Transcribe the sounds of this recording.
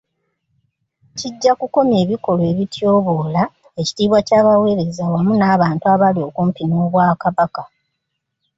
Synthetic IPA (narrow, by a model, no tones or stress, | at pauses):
ciɟːakuko̞mjeːβiko̞lwe̞βitʰjo̞ːβo̞ːla | e̞ci̥tiːβwacaːβawe̞ːɾe̞zawamunaːβaːntuaβalio̞kumpino̞ːβwaːkaβaka